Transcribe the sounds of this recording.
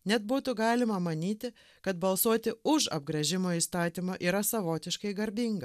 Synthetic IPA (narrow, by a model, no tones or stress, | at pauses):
nʲɛt̪buːt̪ʊɡɑːlʲɪmɐmɐnʲiːt̪ʲɪ | kɐt̪bɐlˠsuɔt̪ʲɪʊʃɐ̰b̚ɡɾɐʒʲɪmoːiːst̪ɑːt̪ʲimoːʔiːɾɐsɐʋoːt̪ʲɪʃkɐɪɡɐɾʲbʲiŋɡɐ